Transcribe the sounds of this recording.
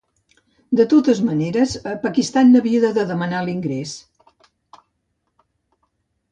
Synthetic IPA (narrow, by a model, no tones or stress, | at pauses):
d̪ət̪ot̪əzməneɾəzəpəkist̪anːəβiəðəðəðəmənaliŋɡɾes